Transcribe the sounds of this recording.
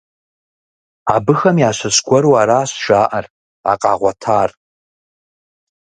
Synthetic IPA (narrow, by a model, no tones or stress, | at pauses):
abɨxɐmjaːʃʷɐɕɡʷɔɾuwaːɾaːɕʒ̥aːʔɐr | a̰qʼɑːʁʷɔtʰaːr